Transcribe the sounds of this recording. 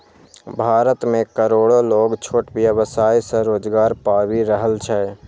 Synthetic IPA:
bʱaːɾət̪mẽkəɾoːɽoloːɡt͡ʃʰoːʈbjəʋəsaːjsə̃ɾoːd͡ʒɡaːɾpaːwiɾəɦəlt͡ʃʰɛ

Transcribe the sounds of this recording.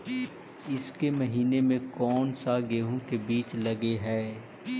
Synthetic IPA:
ɪskemɐɦiːnemẽkɔːnsaɡeːɦõkebiːt͡ʃlɐɡeɦɛː

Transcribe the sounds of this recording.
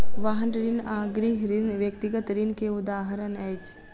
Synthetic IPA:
ʋaːɦənɾinaːɡɾiɦɾinʋjəkt̪iɡət̪ɾinkeʊd̪aːɦəɾənɛːt͡ʃ

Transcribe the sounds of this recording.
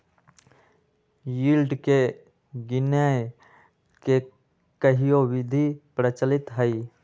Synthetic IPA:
jiːlɖke | ɡɪnə | ke | kəɦijowɪd̪ʱipɾət͡ʃəlɪt̪ɦəi

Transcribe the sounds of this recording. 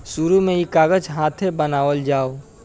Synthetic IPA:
suɾumẽikaːɡəd͡ʒɦãːt̪ʰẽbənaːʋəld͡ʒaːo

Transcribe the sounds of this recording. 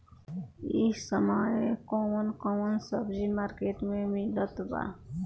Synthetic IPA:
isəməjekomənkɔmənsəbd͡ʒimaɾkeʈmemilət̪ba̰

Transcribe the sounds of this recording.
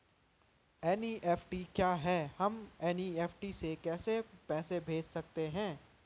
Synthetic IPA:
ɛːniːʔeːfʰʈikjaːɦɛːhɐmɛːniːeːfʰʈisekɛːsepɛːsebʱeːd͡ʒsɐk̚t̪eɦɛ̃ː

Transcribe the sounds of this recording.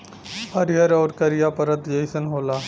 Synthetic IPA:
həɾjəɾɔːɾkɐɾijapɐɾət̪d͡ʒɐjsənɦoːlaː

